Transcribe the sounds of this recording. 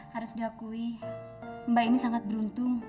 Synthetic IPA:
haɾʊsdiakui | mbainisaŋat̪̚bəɾunt̪ʊŋ

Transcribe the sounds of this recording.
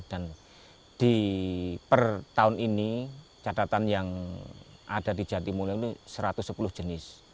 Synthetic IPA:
d̥an | d̥i | pərt̪aʊninit͡ʃat̪at̪anjaŋ | ʔad̥adi̤̥d͡ʒ̥at̪imulat̪usəɾat̪ʊsːəpulʊhd͡ʒ̥ənɪs

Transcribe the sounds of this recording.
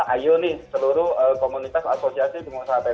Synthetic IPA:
ʔajonɪhsəluɾʊəkomunit̪asa̰sosiasit̪uŋusaap̪e

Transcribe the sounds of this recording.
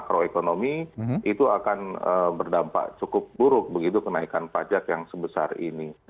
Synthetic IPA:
kɾoekonomiit̪uakanəbərdampa̰ʔt͡ʃukʊp̚buɾʊk̚bəɡit̪ukənaikanpad͡ʒakjaŋsəbəsa̰rḭni

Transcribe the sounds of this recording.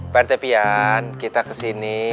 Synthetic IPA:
part̪ɛpiankit̪akəsini

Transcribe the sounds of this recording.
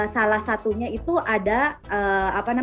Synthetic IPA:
salahsat̪uɲait̪uʔadaəːapana

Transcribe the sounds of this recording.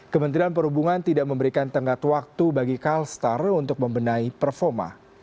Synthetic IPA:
kəmənt̪ɾianpəɾhubuŋant̪idaʔməmbəɾikant̪əŋkat̪wak̚t̪ubaɡikalst̪arunt̪ʊk̚məmbənaipərfɔma̰

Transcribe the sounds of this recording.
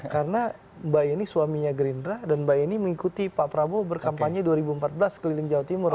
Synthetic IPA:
kaɾəna | bajinisuwamiɲaɡɾindɾadanbajiniməŋikut̪ipapɾabobərkampaɲɲaduaɾibuəmpat̪̚bəlaskəlilɪŋd͡ʒaat̪imʊr

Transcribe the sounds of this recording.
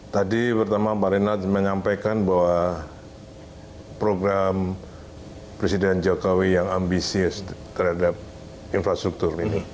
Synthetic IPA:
t̪adipərt̪amapaɾinat̪məɲampajkanbawa | pɾoɡɾam | pɾesidɛnd͡ʒokowijaŋambisiʊst̪ərhadap̚ | infɾast̪ɾuk̚t̪ʊrini

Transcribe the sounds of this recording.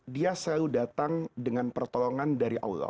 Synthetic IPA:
diasəlaludat̪aŋdəŋanpərt̪ɔlɔŋandaɾiʔa̰wlɔ̰

